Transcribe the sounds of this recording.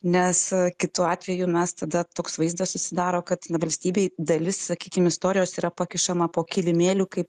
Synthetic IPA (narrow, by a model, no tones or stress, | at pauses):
nʲɛskʲɪt̪uɑːt̪ʲʋʲɛjumʲɛst̪ɐd̪ɐt̪oːksʋɐɪzd̪ɐssʊsʲɪd̪ɑːɾoːkɐt̪ʋɐlʲsʲt̪ʲiːbʲeːɪd̪ɐlʲɪssɐkʲiːkʲɪmɪst̪oːɾʲɪjoːsiːɾɐpɐkʲɪʃɐmɐpoːkʲɪlʲɪmʲeːlʲuːkɐɪp̚